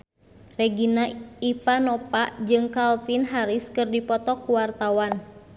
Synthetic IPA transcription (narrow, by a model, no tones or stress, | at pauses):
rɛɡinaifanɔpaʔd͡ʒɨŋkalfinɦaɾiskɨrdipɔt̪ɔkuwart̪awan